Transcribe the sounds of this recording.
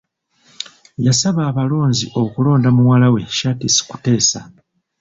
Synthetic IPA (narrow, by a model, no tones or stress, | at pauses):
jasaβaːβalo̞ːnziʔo̞kulo̞ːndamuwalawe̞ʃatisi̥ku̥te̞ːsa̰